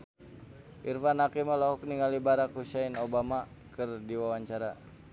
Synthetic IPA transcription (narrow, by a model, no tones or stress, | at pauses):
ʔirfanakimalɔɦuk̚niŋalibaɾakhuʃainobamakɨrdiwawaɲt͡ʃaɾa